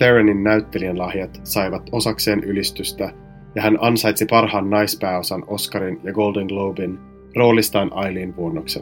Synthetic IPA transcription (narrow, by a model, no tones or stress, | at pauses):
teɹeninːæyt̪ːe̞lienlɑhjɑt̪sɑjʋɑt̪o̞sɑkse̞ːnʔylist̪yst̪æ | jɑɦænʔɑnsɑjt̪sipɑrhɑːnːɑjspæːo̞sɑno̞skɑɾinjɑɡo̞ldeŋɡlowbin | ro̞ːlist̪ɑːnʔɑjliːnʋuonːoksḛ